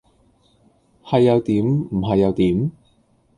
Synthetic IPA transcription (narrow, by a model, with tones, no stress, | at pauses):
hɐ˨jːɐ˨˧wt̪iː˨˥mm̩˨˩ɦɐ˨jːɐ˨˧wt̪iː˨˥m